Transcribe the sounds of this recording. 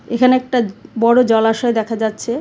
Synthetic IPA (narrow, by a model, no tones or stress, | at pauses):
ekʰaneɛk̚ʈabɔɽod͡ʑɔlaʃaed̪ɛkʰad͡ʑatːɕʰe